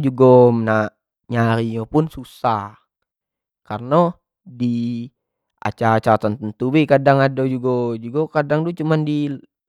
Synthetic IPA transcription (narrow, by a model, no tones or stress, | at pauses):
d͡ʒuɡɔmna | ɲaɾiɲɔpunsusah | karnɔ | di | a̰t͡ʃaɾat͡ʃaɾat̪ant̪ənt̪ubɛkadaŋadod͡ʒuɡɔd͡ʒuɡɔkadaŋdut͡ʃumandi